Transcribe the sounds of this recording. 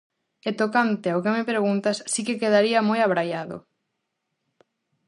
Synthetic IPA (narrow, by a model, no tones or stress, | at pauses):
et̪okant̪ɪaokemepɾeɣ̞unt̪asːikekeð̞aɾiɐmojaβɾajaðʊ̰